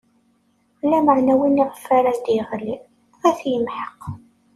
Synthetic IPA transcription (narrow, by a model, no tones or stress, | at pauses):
lːæməʕnæwiniʁfaɾæðd̪jʁəlːi | æθjəmħəq